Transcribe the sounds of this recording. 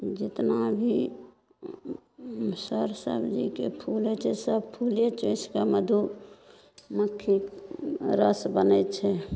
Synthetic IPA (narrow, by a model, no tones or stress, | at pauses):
d͡ʒɪt̪nabʱi | səɾsə̰bd͡ʒikepʰulɛt͡ʃʰɛsəbpʰuljet͡ʃõɪskaməd̪ʱu | məkʰːi | ɾəsbənɛt͡ʃʰɛ